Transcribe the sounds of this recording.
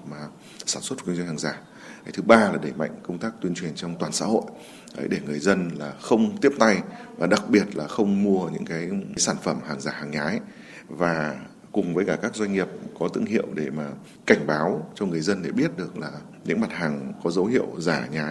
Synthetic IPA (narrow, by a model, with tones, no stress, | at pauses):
maː˨˩ | saː˧˩nswt̚kzŋhaː˨˩ŋzaː˧˩ | ka˨˦jt̪ʰɨ˨˦ɓaː˧laː˨˩ɗə˧˩jma̰˧˨ŋ̟kə˧wŋ͡mt̪aː˦˥k̚t̪wi˧ənt͡ɕwi˨˩ənt͡ɕɔ˧ŋ͡mt̪waː˨˩nsa̰ː˧˥ho̰˧˨j | ʔəː˨˦jɗe˧˩ŋɨ˨˩əjzə˧nlaː˨˩xə˧wŋ͡mt̪i˦˥əp̚t̪a˧jvaː˨˩ɗa˨˩k̚ɓi˨˩ət̚laː˨˩xə˧wŋ͡mmu˧əɲɨ̰˧˥ŋkaː˨˦jjsaː˧˩nfə˧˩mhaː˨˩ŋzaː˨˩haː˨˩ŋɲaː˨˦j | vaː˨˩ | kʊ˨˩ŋ͡mvəː˨˦jkaː˧˩kaː˦˥k̚zwa˧jŋ̟ŋi˨˩əp̚kɔ˨˦t̪ɨ̰˧˨ŋhḭ˧˨əwɗe˧˩maː˨˩ | ka˧˩jŋ̟ɓaː˨˦wt͡ɕɔ˧ŋɨ˨˩əjzə˧nɗe˧˩ɓi˦˥ət̚ɗɨ˨˩ək̚laː˨˩ | ɲɨ̰˧˥ŋma˨˩t̚ɦaː˨˩ŋkɔ˨˦zə˨˦whḭ˧˨əwzaː˧˩ɲaː˨˩